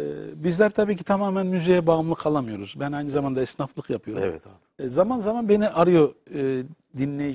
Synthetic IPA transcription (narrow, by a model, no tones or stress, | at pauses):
ɛbizlʲæɾt̪ʰabiːcʰi̥t̪ʰamaːmænmyzejɛbaːɯmlˠɯkʰalˠamɯjo̞ɾuzbænajnɯzamand̪aɛsnaflˠɯkjapʰɯjoɾ̰vɛ̰ | zamanzamanbe̞niʔaɾɯjo̞ | d̪inlʲej